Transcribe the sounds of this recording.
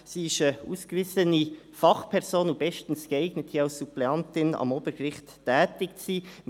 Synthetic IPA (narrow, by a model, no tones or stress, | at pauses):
siːɪʃəṵːskvɪsəni | fɑχpʰɛʁzoːnub̥ɛʃtən̩sɡ̥əɛɪɡ̥nətʰiɑʊssuplɛɑntɪnɑ̰moːbəɾɡʁɪχtːʰ | ɛːtɪk̚t͡siː